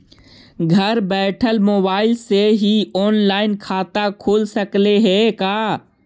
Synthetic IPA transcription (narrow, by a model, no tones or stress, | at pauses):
ɡʱəɾbɛːʈʰəlmoːbaːɪlseɦiɔːnlaːɪnkʰaːt̪akʰoːlsəkleɦɛkaː